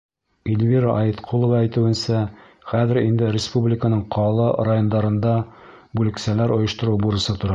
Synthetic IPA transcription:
ilʲvʲiɾaʔɑjit̪qʰulˠŏvɑæjt̪ɘ̆wɘ̆nsæ | χæðɘ̆ɾind̪ɘrʲɪspublʲɪkənɤɴqʰɑlˠɑrajo̞nd̪ɑɾɤ̆nd̪ɑ | bʉlɘ̆ksælæɾŏjɤ̆ʃt̪ɤ̆ɾubuɾɤ̆sɤt̪ŏɾɑ

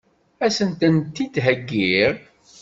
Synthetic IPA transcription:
æsənt̪ənt̪ːid̪ɦəɡːiɾ

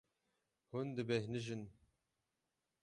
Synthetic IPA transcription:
hund̪ɨbɛhnɨʒɨn

